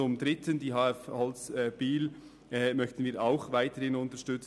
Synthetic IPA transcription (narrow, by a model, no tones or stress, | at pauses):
ʊmdɾɪtʰəndiːɦɑːɛfhɔlsɛb̥iːl | ʔɛmœçtən̩viːɾaʊxvaɪtəhɪnʊntəʃtʏt͡s